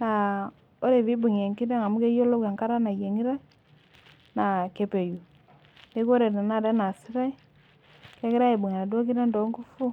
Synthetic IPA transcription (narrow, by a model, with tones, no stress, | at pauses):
na˨ | o˦ɾe˨βi˦bu˨ŋ˨e˨ŋki˦dɛ˦ŋa˨mu˦ke˦jo˦lo˦kwa˨ŋka˦ɾa˦na˨je˨ŋi˦ɾa˦i˦ | na˨ke˨pe˨ju˨ | ne˦ko˦ɾe˨na˨na˦˨dɛ˦na˨si˦ɾa˦i˦ | ke˦ki˦ɾa˦e˨bu˨ŋa˨na˨dɔ˦ki˦ɾɛ˦ndɔ˨˦ŋɡu˦fu˦